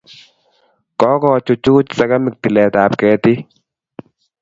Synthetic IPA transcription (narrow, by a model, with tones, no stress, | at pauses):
kɔː˦kɔ˦˨t͡ʃʊ˨t͡ʃuː˦t͡ʃsa˦ka˦mɪ˨k̚tɪ˨lɛ˨ta˨p̚kɛː˨tɪ˦